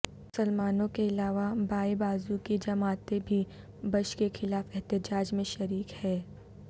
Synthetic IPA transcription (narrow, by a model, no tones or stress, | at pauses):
mʊsəlmaːnõkeɪlaːʋabaːebaːzukid͡ʒɐmaːt̪ebʱi | bɐʃkexʰɪlaːfɛɦt̪ɪd͡ʒaːd͡ʒmẽʃɐɾiːkhɛː